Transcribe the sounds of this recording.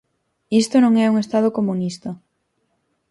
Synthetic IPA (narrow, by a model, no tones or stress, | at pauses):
ist̪onõŋɛuŋest̪aðokomunist̪ɐ